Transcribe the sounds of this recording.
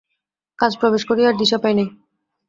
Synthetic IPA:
kad͡ʑpɾobeʃkoɾiaɾd̪iʃɔpajnej

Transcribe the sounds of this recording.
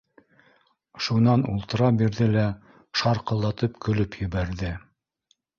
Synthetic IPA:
ʃunɑnṵlˠt̪ɤ̆ɾɑbiɾðɘlæ | ʃɑɾqɤ̆lˠːɑt̪ɤpkɵ̆lɵpjɵ̆βæɾðɘ

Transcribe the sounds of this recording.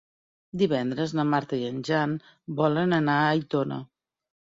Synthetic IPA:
d̪iβɛnd̪ɾəznəmaɾt̪əiənʲʒan | bɔlənənaːjt̪onə̰

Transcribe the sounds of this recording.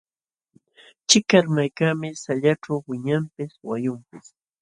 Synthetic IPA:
t͡ʃɪkaɾmajkamɪsaʎaʈ͡ʂawwɪɲampɪswajʊmpɪs

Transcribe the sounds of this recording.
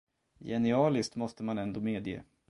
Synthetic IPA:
jɛnɪɑːlɪst̪mɔst̪əmanɛnd̪oːmeːd̪jḛː

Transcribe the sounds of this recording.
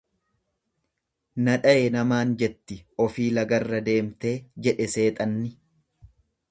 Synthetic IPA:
nɐᶑɐenɐmaːnd͡ʒɛt̪ːɪɔfiːlɐɡɐrːɐd̪e̞ːmt̪e̞ːd͡ʒɛᶑɛse̞ːt̪ʼɐnːɪ

